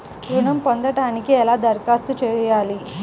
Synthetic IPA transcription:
ɡuɳɐmpond̪ɐʈaːnikiɛlaːd̪ɐɾkaːst̪ut͡ʃɛːjaːli

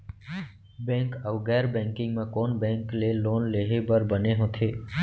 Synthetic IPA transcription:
bɛ̃ːŋkəʋɡɛːɾbɛ̃ːŋkɪ̃ŋɡmẽkoːnbɛ̃ːŋkleloːnleːɦebəɾbəneɦõt̪ʰeː

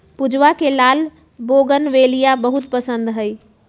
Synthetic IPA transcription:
pud͡ʒʋakelaːl | boːɡənʋeːlijabəɦut̪pəsə̃nd̪ɦəi

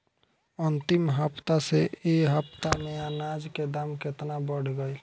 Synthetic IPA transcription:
ənt̪ɪmɦəpt̪aseeɦəpt̪amẽanad͡ʒked̪amkɪt̪nabəɽ̤ɡəi

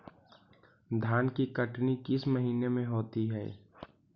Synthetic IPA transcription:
d̪ʱaːnkikəʈnikɪsməɦiːnemẽɦoːt̪iɦɛ̰ː

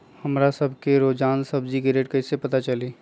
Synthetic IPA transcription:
hɐmɾasɐbʱkeɾoːd͡ʒaːnsɐbd͡ʒikiɾeːʈkɐɪsepɐt̪at͡ʃɐliː

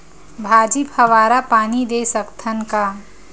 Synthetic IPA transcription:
bʱaːd͡ʒiphɐʋaːɾapaːnid̪esəkt̪ʰənka

